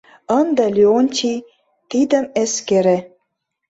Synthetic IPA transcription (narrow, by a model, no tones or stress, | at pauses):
ɤnd̪əlʲionʲtʲi | t̪id̪ə̆meskeɾĕ